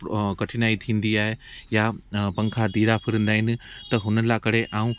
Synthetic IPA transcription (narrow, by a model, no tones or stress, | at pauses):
kɐʈʰɪnaːit̪ʰĩːnd̪iaːɦejapɐ̃ŋkʰad̪iːɾapʰɪɾə̃nd̪aːɦɪnɪ̆t̪ɐɦʊnəlaːkɐɽ̤eʔaːũ